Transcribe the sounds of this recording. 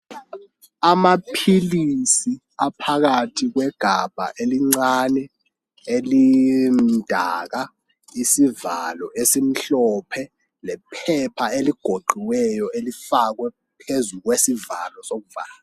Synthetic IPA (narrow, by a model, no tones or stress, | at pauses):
amapʰilisi | apʰak̬atʰik̬wɛɡ̥ʱab̥ʱa̰ʔeliŋ͡ǀanɛ | elin̩dʱa̰k̬a | isivalɔʔesim̩ɬɔpʰɛ | lɛpʰɛpʰaeliɡ̥ʱoǃiwɛjɔelifak̬wɛ | pʰezuk̬wesivalɔsok̬uvaːla